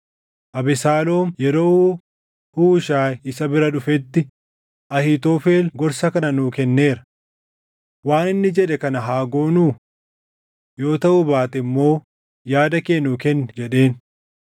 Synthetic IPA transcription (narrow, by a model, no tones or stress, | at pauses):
ʔɐbɪsaːlo̞ːmjɛɾo̞ːhuː | huːʃaːɪsɐbɪɾɐᶑʊfɛt̪ːɪ | ʔɐhɪt̪oːfeːlɡɔɾsɐkɐnɐnuːkɛnːe̞ːɾɐ̥ | waːnɪnːɪd͡ʒɛᶑɛkɐnɐɦaːɡo̞ːnuː | jo̞ːt̪ɐʔʊbaːt̪ɛmːo̞ː | jaːd̪ɐkeːnːuːkɛnːɛd͡ʒɛᶑe̞ːn